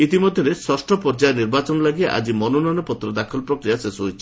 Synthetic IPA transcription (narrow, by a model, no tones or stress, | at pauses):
it̪imɔd̪ʱjɔɾesɔsʈɔpɔɾd͡ʒajniɾbat͡ʃɔnɔlaɡiʔa̰d͡ʒimɔnonɔnɔpɔt̪ɾɔd̪akʰɔlɔpɾɔkɾijasesuɦojt͡ʃʰi̥